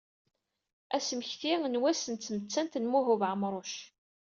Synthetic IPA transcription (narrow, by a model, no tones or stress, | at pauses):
æsmçθiŋnwæsənt̪t͡sːəmət͡sːænt̪nmuɦʊvʕəmɾˤoʃ